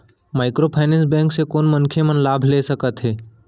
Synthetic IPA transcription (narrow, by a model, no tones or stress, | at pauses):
maːɪkɾoːpʰaːnẽnsbɛ̃ːŋksekoːnmɐnkʰemənlaːbʱleːsəkət̪ɦɛː